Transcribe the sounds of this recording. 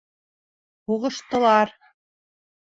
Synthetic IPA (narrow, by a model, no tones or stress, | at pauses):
huʁɤ̆ʃt̪ɤ̆lˠɑɾ